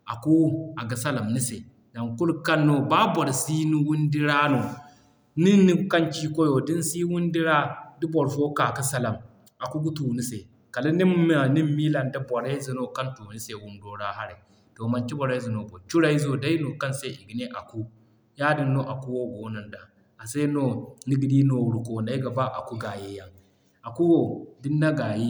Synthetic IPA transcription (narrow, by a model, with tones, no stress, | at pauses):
ʔa˨ku˦a˨ɡa˨sa˦la˨mni˦se˨ | na˨ŋku˦lka˦nːo˦˨ba˦bɔ˨ɾsi˦ni˦wu˦ndi˦ɾa˦no˨ | ni˦ni˦kɐ˦nt͡ʃi˦ko˦jo˨di˦nsi˦wu˦ndi˦ɾa˦di˦bɔ˨ɾfoː˦ka˨ki˦sa˦la˨m | a˨ku˦ɡu˦tu˨ni˦se˨ | ka˨la˦ni˦m˦a˨ni˦mmiː˦la˨nda˦bɔ˨ɾe˦zi˨no˦ka˦ntu˨ni˦se˨wu˦ndoː˦ɾa˦ɦa˦ɾi˨ | to˨ma˨nt͡ʃi˦bɔ˨ɾe˦zi˨no˨bo˨t͡ʃu˦ɾa˦i˦zo˦˨da˦i˦no˨ka˦nse˦ʔi˨ɡi˨ne˦ʔa˨ku˦ | ja˦di˦nːo˦ʔa˨ku˦wo˦ɡo˨˦na˨nda˨ | a˨se˦no˦ni˦ɡi˨di˦no˨ɾu˨ko˨na˨i˦ɡa˨ba˦ʔa˨ku˦ɡa˨je˦ja˦ŋ | a˨ku˦wo˨di˦nːa˦ɡa˨ji˦